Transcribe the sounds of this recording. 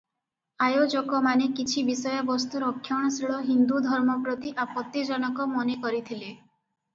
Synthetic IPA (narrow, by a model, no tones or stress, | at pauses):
ajod͡ʒokɔmanekit͡ʃʰibisɔjɔbɔst̪uɾɔkʰːjɔɽ̃ɔsiɭɔɦind̪ud̪ʱɔɾmɔpɾɔt̪iʔapɔt̪ːid͡ʒɔnɔkɔmɔnekɔɾit̪ʰile